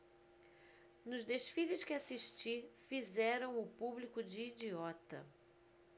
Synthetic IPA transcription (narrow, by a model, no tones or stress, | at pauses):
nʊzd̪eʃfiʎʊskɪasiʃt͡ʃifizɛɾɐ̃w̃ʊpublikʊd͡ʒɪːd͡ʒiɔt̪ɐ̰